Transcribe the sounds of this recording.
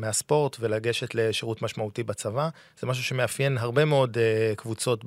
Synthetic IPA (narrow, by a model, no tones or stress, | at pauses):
measpo̞ʁtve̞laɡe̞ʃe̞tle̞ʃeʁutmaʃmautibat͡sava | z̥emaʃ̬uʃe̞meafje̞nɦaʁbe̞meo̞dekvut͡so̞t